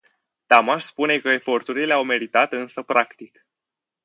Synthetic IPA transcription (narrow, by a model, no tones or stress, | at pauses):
t̪amaʃspune̞kəe̞fo̞rt̪uɾile̞awme̞ɾit̪at̪ɨnsəpɾakt̪ik